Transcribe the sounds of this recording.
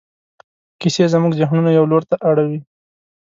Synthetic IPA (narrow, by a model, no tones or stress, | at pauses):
kisezmuɡd͡ʒaɦnunajawloɾt̪aʔaɽawi